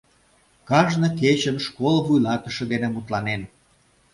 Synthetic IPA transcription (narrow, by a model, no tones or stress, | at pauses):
kɑʒnoket͡ɕənʃkolβujlɑt̪ə̆ʃĕd̪enemut̪lɑnen